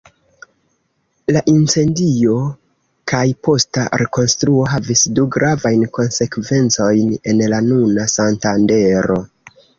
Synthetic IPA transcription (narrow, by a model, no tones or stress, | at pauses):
laʔint͡se̞ndio̞ | kajpo̞staɾe̞ko̞nstɾuo̞ɦavisduɡɾavajnko̞nse̞kve̞nt͡so̞jne̞nlanunasantande̞ɾo̞